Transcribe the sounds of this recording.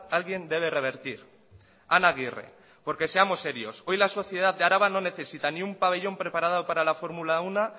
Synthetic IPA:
alɣje̞nd̪e̞β̞e̞re̞β̞e̞ɾt̪iɾ | anaɣ̞ire̞̰ | po̞ɾke̞se̞amose̞ɾio̞so̞jlaso̞θje̞ð̞at̪d̪eaɾaβano̞ne̞θe̞sit̪aniumpaβe̞ʎo̞mpɾe̞paɾaðaopaɾalafo̞ɾmulauna

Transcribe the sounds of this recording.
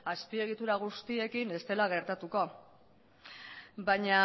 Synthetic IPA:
aspie̞ɣ̞it̪uɾaɣ̞ust̪ie̞kine̞st̪e̞laɣ̞e̞ɾt̪at̪uko̞ | baɲa

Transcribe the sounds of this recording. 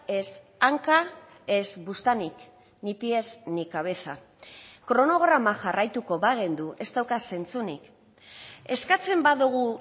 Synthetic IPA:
e̞s | aŋka | e̞zbust̪anik | nipiesnikaβe̞θa | kɾo̞no̞ɣ̞ɾamaʝarajt̪uko̞βaɣend̪uʔe̞st̪awkase̞nt͡sunḭk | e̞skat͡se̞mbaðuɣ̞u

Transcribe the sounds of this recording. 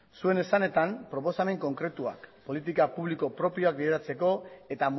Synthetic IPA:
sue̞ne̞sane̞t̪ampɾo̞po̞same̞ŋko̞ŋkɾe̞t̪ua̰kpo̞lit̪ikapuβliko̞pɾo̞pio̞ak̚biðeɾat͡se̞ko̞e̞t̪am

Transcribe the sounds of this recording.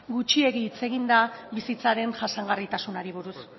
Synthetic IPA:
ɡut͡ʃie̞ɣiːt͡se̞ɣind̪aβisit͡saɾe̞nʝasaŋɡarit̪asunaɾiβ̞uɾus

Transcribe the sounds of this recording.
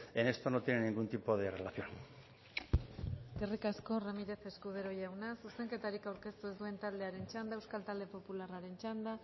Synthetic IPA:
ene̞st̪o̞not̪jeneniŋɡunt̪ipo̞ðe̞relaθjon | erikasko̞ramiɾe̞θe̞skuð̞eɾo̞jawnasuse̞ŋke̞t̪aɾikawɾke̞st̪ue̞zd̪ue̞nt̪ald̪eaɾe̞nt͡ʃand̪aewskalt̪ald̪e̞po̞pularaɾe̞nt͡ʃand̪a

